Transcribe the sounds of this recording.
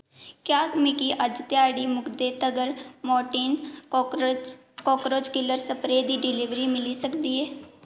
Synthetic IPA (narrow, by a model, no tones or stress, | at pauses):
kjaːmɪkiːʔəd͡ʒt̪ɪjaːɽiːmʊkd̪eːt̪əɡəɾmɔːʈiːn | koːkɾoːd͡ʒkɪləɾsəpɾeːd̪iːɖɪlɪʋɾiːmɪliːsəkd̪iːɦɛː